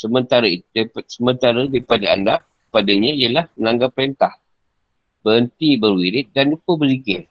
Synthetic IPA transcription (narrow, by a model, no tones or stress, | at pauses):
səmənt̪aɾait̪dpsəmənt̪aɾədaɾipadaa̰nda | əpadəɲãijəlahmənaŋɡapːəɾent̪ah | b̥əɾənt̪ibərwiɾɪt̪̚danlupəbəzikɪr